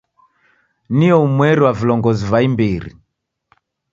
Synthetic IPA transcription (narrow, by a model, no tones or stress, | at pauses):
niɔumwɛɾiwavilɔŋɡɔzivaimbiɾḭ